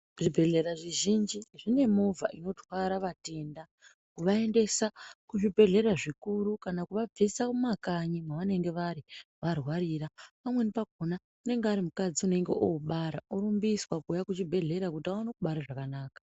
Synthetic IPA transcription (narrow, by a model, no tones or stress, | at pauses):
ʐibʱe̞ɮe̞ɾaʐiʒind͡ʒiʐine̞mova̰ʔino̞tʰwaɾaʋate̞nda | kuʋae̞nde̞sakuʐibʱe̞ɮe̞ɾaʐikuɾukanakuʋab͡vesakumakaɲimwaʋane̞ŋɡe̞ʋaɾiʋarwaɾirapamwenipaɡʱona | une̞ŋɡeaɾimukad͡ziune̞ŋɡe̞̰ʔoɓaɾaoɾumbiswakujakut͡ʃibʱe̞ɮe̞ɾakutiawanakuɓaɾaʐakanaːkḁ